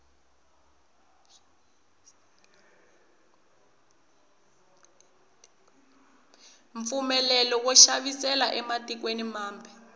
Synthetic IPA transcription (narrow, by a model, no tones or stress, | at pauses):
ɱp̪fumɛlɛlɔwɔʃaɓisɛlaʔɛmatʼik̬wenimaːmbʱi